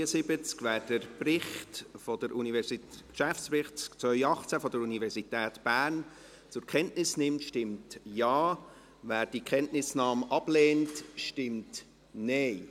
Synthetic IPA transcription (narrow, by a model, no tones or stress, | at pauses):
əsɪbət͡skvæːɾd̥əɾprɪχtfɔd̥əɾʔunivɛsikʃæft͡spɾɪχt͡skt͡sʋœʏɑχt͡sæfɔdəɾunivɛɾzitɛːtb̥æːɾn | t͡sʊɾkχɛntnɪsnɪmtʃtɪmtjɑː | væːɾd̥iəkχɛntnɪsnɑːmʔɑblɛːntʃtɪmt | nɛɪ